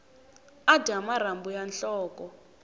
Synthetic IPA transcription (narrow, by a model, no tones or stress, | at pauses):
ad̥ʱamaɾambujanɬɔːkɔ